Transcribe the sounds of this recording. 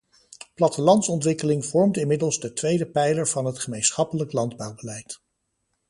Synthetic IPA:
plɑtəlɑntsɔntʋɪkəlɪŋvɔɹmtɪnmɪdəlˠzdətʋejdəpɛjləɹv̥ɑnɦətχəmejnsχɑpələklɑndbɑwbəlɛjt

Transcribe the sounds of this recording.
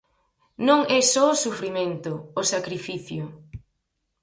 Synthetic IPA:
nõŋɛsɔosufɾimẽnt̪ʊːsakɾifiθjʊ

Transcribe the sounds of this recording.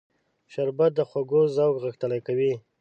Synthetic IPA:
ʃaɾbat̪̚d̪əxwaɡozawɡɣəxt̪əlajkawi

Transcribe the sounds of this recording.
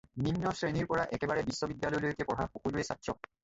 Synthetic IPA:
ninːɔsɹeniɹpɔɹaʔɛkebaɹɛbisːɔbid̪jalɔjlojokepɔɹɦa̰pokud͡ʑoesat̪ːɹɔ

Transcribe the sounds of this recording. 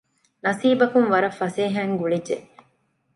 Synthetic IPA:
nɐsiːbɐkuŋʋɐɾɐfːɐseːɦæːŋɡuɭid͡ʒe

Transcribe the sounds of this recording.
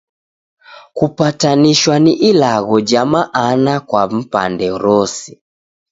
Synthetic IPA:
kupataniʃwaniʔilaɣɔd͡ʒamaʔːnakwam̩pa̰ndɛɾɔsi̥

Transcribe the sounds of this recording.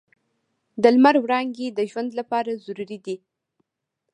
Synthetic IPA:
d̪əlmaɾwɾɑŋɡed̪əʒwand̪lapɑɾazuɾuɾid̪i

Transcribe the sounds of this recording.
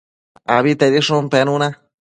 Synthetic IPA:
aβit̪eɾiʂõmpenũnã

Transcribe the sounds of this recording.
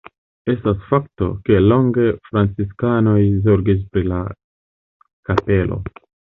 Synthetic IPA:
e̞stasfak̚to̞̰ke̞lo̞ŋɡe̞fɾant͡siskano̞jzoɾɡis̬pɾila̰ | kape̞lʔo̞̰

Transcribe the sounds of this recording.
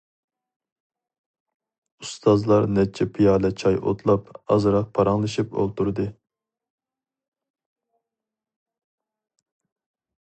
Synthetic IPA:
ust̪ʰɑzlˠɑɾnɛt͡ʃʰːɛpʰijɑːlˠɛt͡ʃʰɑjʔo̰t̪ʰlˠɑpɑ̰zɾɑq̚pʰɑɾɑŋlˠɨʃipo̰lˠt̪ʰuɾd̪ɨ

